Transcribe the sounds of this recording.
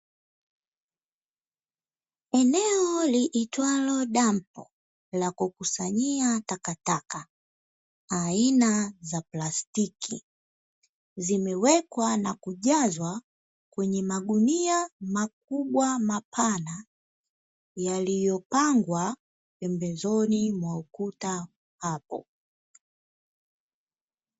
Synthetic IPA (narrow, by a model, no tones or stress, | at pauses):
ɛnɛɔliʔitwalɔɗampɔ̰ | lakukusaɲiatakataka | ainazaplastikʰḭ | zimɛwɛkwanakuʄazwa | kwɛɲɛmaɠuniamak̚uɓwamapʰana | jalijɔpaŋɡwa | pɛmbɛzɔnimwaukuta | hapɔ̰